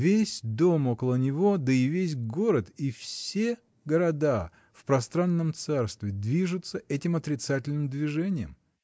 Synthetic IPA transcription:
vʲesʲd̪o̞mo̞kəlˠənʲɪvo̞d̪əɪvʲes̬ʲɡo̞ɾət̪ifsʲe̞ | ɡəɾɐd̪a | fpɾɐst̪ɾanːəmt̪sarst̪vʲɪd̪vʲiʐʊt̪səʔɛtʲɪmɐt̪ɾʲɪt̪satʲɪlʲnɨmd̪vʲɪʐɛnʲɪjəm

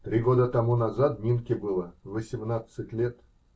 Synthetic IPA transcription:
t̪ɾʲiɡo̞d̪ət̪ɐmunɐzat̪̚mʲinkʲɪbɨlˠəvəsʲɪmnat̪sɨtʲlʲet̪

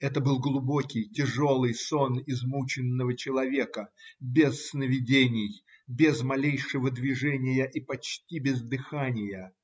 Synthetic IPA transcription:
ɛt̪əbɨlˠɡlˠʊbo̞kʲɪjtʲɪʐo̞lˠɨjso̞nɪzmut͡ɕɪnːəvət͡ɕɪlˠɐvʲe̞kəbʲɪsːnəvʲɪdʲenʲɪj | bʲɪzmɐlʲejʂɨvəd̪vʲɪʐɛnʲɪjəʔipɐt͡ɕtʲibʲɪzd̪ɨxanʲɪjə

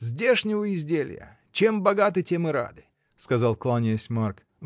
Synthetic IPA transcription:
zʲdʲeʂnʲɪvəɪzʲdʲel̰ʲjə̰ | t͡ɕembɐɡat̪̬ɨtʲemɨɾa̰d̪ɨ | skɐzalˠklˠanʲɪəsʲmark

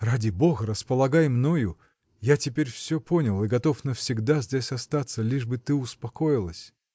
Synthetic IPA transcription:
radʲɪbo̞ɣəɾəspəlˠɐɡajmno̞jʊ | jatʲɪpʲeɾʲfsʲɵpo̞nʲɪlˠɨɡɐt̪o̞fnəfsʲɪɡd̪azʲdʲesʲɐst̪at̪səlʲiʐbɨt̪ɨʊspɐko̞jɪlˠəsʲ

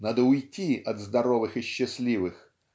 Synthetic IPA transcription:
nad̪əʊjtʲiʔɐt̪zd̪ɐɾovɨxɨɕːɪsʲlʲivɨx

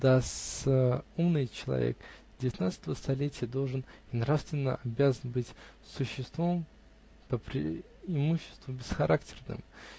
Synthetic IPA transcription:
d̪as | umnɨjt͡ɕɪlˠɐ̰vʲḛkdʲɪvʲɪt̪nat̪sə̥t̪əvəst̪ɐlʲetʲɪjəd̪o̞lˠʐɨninɾafst̪vʲɪnːə̰ʔɐbʲazənbɨtʲ | sʊɕːɪst̪vom | pəpɾʲɪ̰ | ɪmuɕːɪ̥st̪vʊbʲɪsxɐɾʔaktʲɪ̥rnɨ̰m

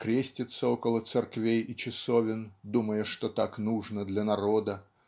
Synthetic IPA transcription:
kɾʲesʲtʲɪt̪səokəlˠət̪sɨrkvʲejɪt͡ɕɪsovʲɪnd̪uməjəʂt̪ot̪aknuʐnəd̪lʲɐnɐɾo̞d̪ə

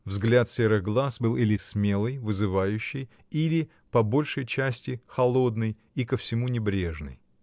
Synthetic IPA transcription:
vzɡlʲat̪sʲeɾɨɣɡlˠasbɨlˠʔilʲɪsʲmʲe̞lˠɨjvɨzɨvajʉɕːɪj | ilʲɪ | pɐbo̞lʲʂəjt͡ɕæsʲtʲɪxɐlˠo̞d̪nɨj | ikəfsʲɪmunʲɪbɾʲeʐnɨ̰j

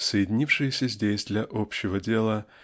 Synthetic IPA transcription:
səjɪdʲɪnʲifʂɨjɪsʲəzʲdʲesʲd̪lʲɐʔopɕːɪvədʲe̞lˠə

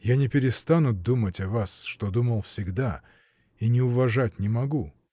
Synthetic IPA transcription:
janʲɪpʲɪɾʲɪst̪anʊd̪umətʲɐvasʂt̪o̞d̪uməlˠfsʲɪɡd̪a | inʲɪʊvɐʐatʲnʲɪmɐɡu

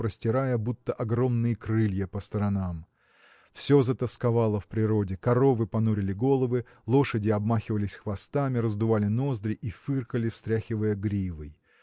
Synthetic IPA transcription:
ɾəsʲtʲɪɾajəbut̪ːəʔɐɡɾo̞mnɨjəkrɨlʲjəpəst̪əɾɐnam | fsʲo̞zət̪əskɐvalˠəfpɾʲɪɾo̞dʲɪkɐɾo̞vɨpɐnuɾʲɪlʲɪɡo̞lˠəvɨ | lˠo̞ʂədʲɪɐbmaxʲɪvəlʲɪsʲxvɐst̪amʲɪɾəzd̪ʊvalʲɪno̞zd̪ɾʲɪʔifɨrkəlʲɪfst̪ɾʲaxʲɪvəjəɡɾʲivəj

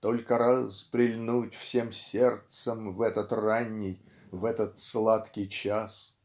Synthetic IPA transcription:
t̪olʲkəɾaspɾʲɪlʲnutʲfsʲe̞msʲe̞rt̪səmvɛt̪ət̪ranʲːɪj | vɛt̪ət̪slˠat̪kʲɪjt͡ɕas

